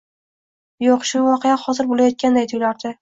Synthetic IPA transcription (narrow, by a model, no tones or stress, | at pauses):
joqʃʊvɒqʰejahɒzɪɾbolajɒt̪̚kʲand̪ajt̪ʰojlaɾd̪̥ɪ